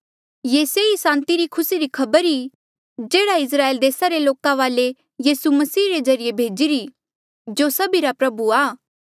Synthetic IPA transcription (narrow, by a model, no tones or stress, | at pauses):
jeːseisãːnt̪iɾikʰʊsiɾikʰɐbəɾi | d͡ʒeːɽaɪs̬ɾaːeːld̪eːsaɾeloːkaʋaːle | jiːsumɐsiːɾed͡ʒɐɾijebʱeːd͡ʒiɾi | d͡ʒoːsɐbiɾapɾɐbuaː